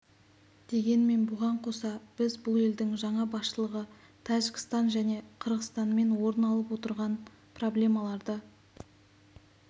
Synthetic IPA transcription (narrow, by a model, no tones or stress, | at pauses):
d̪̥e̞ɡʲe̞nme̞nbʊʁɑɴqʰo̞sɑb̥ɪzbʊlˠe̞ld̪ɪŋʒɑɴɑbɑsʃəlˠəʁə | t̪ʰɑʒɪkʲɪ̥st̪ɑnʒæne̞qʰəɾʁəst̪ɑnme̞nwo̞ɾənɑlˠəp̬wo̞t̪əɾʁɑn | pro̞blʲe̞mɑlˠɑɾd̪ə